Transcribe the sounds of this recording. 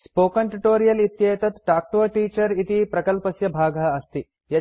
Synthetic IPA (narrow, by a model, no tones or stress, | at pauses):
spoːkɐɳʈuʈoːɾijɐlit̪jɐjɐt̪ɐt̪ʈaːk̚ʈoːʈiːt͡ʃɐɾit̪ipɾɐkɐlpɐsjɐbʱaːɡɐɦɐɐst̪i | jɐ